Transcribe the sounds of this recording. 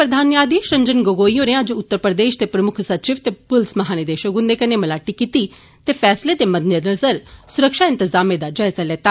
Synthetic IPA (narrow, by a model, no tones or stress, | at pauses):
pɾəd̪ʱaːnjaːd̪iʃɐ̃ɲd͡ʒənɡoːɡoːijõneɐd͡ʒʊt̪ːəɾpɾəd̪eːʃt̪epɾəmʊkʰsɐt̪ːʃɪʋt̪epʊlsmɐɦaːned̪eːʃəɡʊ̃nd̪ekɐnemɐlaːʈikit̪i | t̪eːfʰɛːsled̪emɐd̪ʱnjənɐzəɾsʊɾəkʃaːɪ̃nt̪ɪzaːmed̪ad͡ʒajzaleːt̪aː